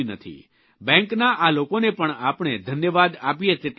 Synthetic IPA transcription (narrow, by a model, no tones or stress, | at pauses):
nət̪ʰḭ | bɛ̃ŋknaʔalokonepəɳapɳ̃ed̪ʱənjəʋad̪apijet̪eʈ